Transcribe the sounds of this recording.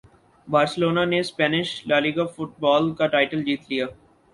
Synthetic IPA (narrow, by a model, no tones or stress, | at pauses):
baːɾsəloːnanespɛːnɪʃlaːliːɡafʊʈ̚bɔːlkaʈaːɪʈəld͡ʒiːt̪lijaː